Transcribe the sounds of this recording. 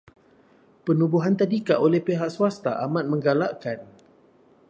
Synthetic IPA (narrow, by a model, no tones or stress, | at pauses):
pənũbuɦant̪adikaʔolɛhpeɦaʔsuast̪aʔamãt̪̚mə̃ŋɡalaʔkan